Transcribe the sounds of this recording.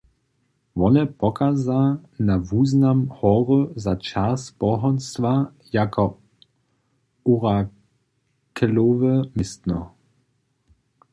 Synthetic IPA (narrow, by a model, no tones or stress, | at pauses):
vɔnɛpɔkazanavuːznamhɔʁəzat͡ʃaspɔɦɔnst̪va | jakʰɔ | uʁa | kʰɛlovəmɪst̪nɔ̰